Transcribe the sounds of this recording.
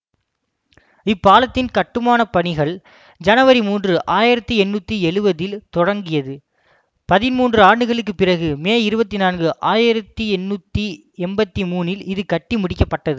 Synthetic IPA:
ɪpːaːlɐt̪ːɪnkɐʈːɯmaːnɐpɐɳɪɣɐɭ | d͡ʒɐnɐʋɐɾimuːndrɯʔaːjɪɾɐt̪ːiɛnːut̪ːiɛɻɯbɐðɪlt̪ɔɽɐŋɡɪjɐðɯ | pɐðɪnmuːndrɯaːɳɖɯɣɐɭɯkːɯpːɪrɐɣɯmeːɪɾɯbɐt̪ːinaːnɡɯʔaːjɪɾɐt̪ːiɛnːut̪ːi | ɛmbɐt̪ːimuːnɪlɪðɯkɐʈːimʊɽɪkːɐpːɐʈːɐðɯ

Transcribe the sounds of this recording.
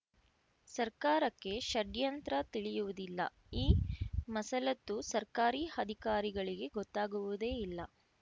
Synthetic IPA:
sɐɾkaːɾɐkːe̞ʃɐɖjɐnt̪ɾɐt̪iɭijuʋud̪ilːɐ̰ | iːmɐsɐlɐt̪ːusɐɾkaːɾiːɐd̪ʱikaːɾiɡɐɭiɡe̞ɡɔt̪ːaːɡuʋud̪e̞ːilːɐ

